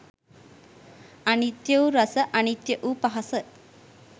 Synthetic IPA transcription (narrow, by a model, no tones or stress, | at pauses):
anit̪jəwɾɐsəʔɐnit̪jəʔupaɦɐsə